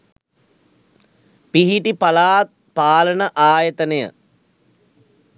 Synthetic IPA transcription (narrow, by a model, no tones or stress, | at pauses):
piɦiʈipalaːt̪̚ | paːlənəʔaːjət̪ənəjə̰